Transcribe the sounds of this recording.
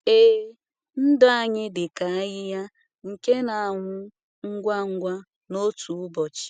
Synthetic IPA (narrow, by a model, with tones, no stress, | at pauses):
eː˦ | n̩˦dɔ˦a˦ɲɪ˦dɪ˨ka˨a˦ɣɪ˦ja˦ | ŋ̩˨ke˦na˨a˨ŋʷʊ˦ | ŋ̩˦ɡʷa˦ŋ̩˦ɡʷa˦ | no˦tʰu˨ʊ˦bɔ˨t͡ʃɪ̥˨